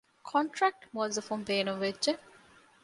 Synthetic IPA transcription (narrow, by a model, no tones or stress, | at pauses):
kʰɔɳʈɾæk̚ʈʋɔːzɐfumbeːnumʋedʒe